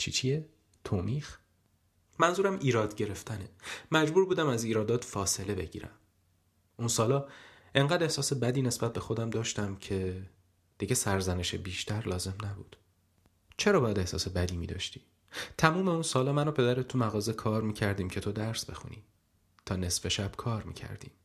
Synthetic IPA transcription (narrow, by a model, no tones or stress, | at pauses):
t͡ʃʰit͡ʃʰie | t̪ʰoːmiːx | mænzuːɾæmiːɾɒːd̪ɟe̞ɾe̞ft̪ʰænemæd͡ʒbuːɾbuːd̪æmæziːɾɒːd̪ɒːt̪fɒːse̞le̞be̞ɟḭːɾæ̰m | unsɒːlɒː | e̞ŋɢæːd̪ehsɒːse̞bæd̪iːne̞sb̥æt̪̚be̞xo̞d̪æmd̪ɒːʃt̪æmcʰe̞ | d̪̥iɟesæɾzæne̞ʃebiːʃt̪ʰæɾlɒːze̞mnæbuːd̪̥ | t͡ʃʰe̞ɾɒːbɒːjæd̪e̞hsɒ̰ːse̞bæd̪iːmiːd̪ɒ̰ːʃt̪iː | t̪ʰæmuːme̞unsɒːlɒːmænoːpʰe̞d̪æɾet̪ʰːumæɣɒːze̞kʰɒːɾmiːcʰæɾd̪iːmcʲʰe̞t̪ʰo̞d̪æɾsbe̞xṵnḭː | t̪ʰɒːne̞sfe̞ʃæb̥kʰɒːɾmḭːcʰæ̰ɾd̪̥ḭːm